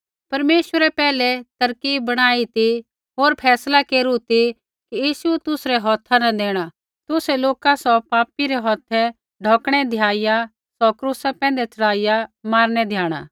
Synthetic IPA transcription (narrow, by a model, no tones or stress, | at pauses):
pɐɾmeːʃwəɾɛpɛːlɛt̪ɐɾkiːbːɐɽ̃aːit̪i | ɦoːɾpʰɛːslakeːɾut̪i | kijiːʃuɛt̪ʊsɾɛɦɔːt̪ʰːanɐd̪eːɽ̃a | t̪ʊsɛloːkasɔpaːpiɾɛɦɔːt̪ʰɛ | ɖʱɔːkɽ̃ɛd̪ʱjaːɪja | sɔkɾuːsapɛ̃ːnd̪ɛt͡ʃɐɽaːɪjamaːɾnɛd̪ʱjaːɽ̃a̰ː